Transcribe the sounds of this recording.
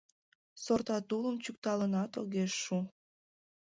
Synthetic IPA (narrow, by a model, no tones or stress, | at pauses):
sort̪ɑt̪uləmt͡ɕuk̚t̪ɑlənɑt̪o̰ɣeʃːu